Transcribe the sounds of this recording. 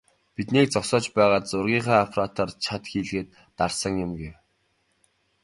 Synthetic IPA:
pit̪niːk̚t͡sɔsɔːt͡ɕpæːʁaːt̪t͡sʊrɣʲiːɴχaːafrat̪ʰaːrt͡ɕʰat̪xiːɮɣeːt̪ːarsə̆ŋjʊmɡew

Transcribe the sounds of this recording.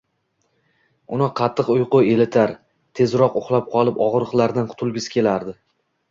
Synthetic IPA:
ʊnɪqʰɑt̪ʰːɨqʊjqʊe̞lɪt̪ʰaɾ | t̪ʰe̞zɾɒqʊχlˠap̚qʰɒlˠɪpɒʁɾɨqlˠaɾd̪anqʰʊ̥t̪ʰʊlˠɡʲɪskʲʰe̞laɾd̪ɪ

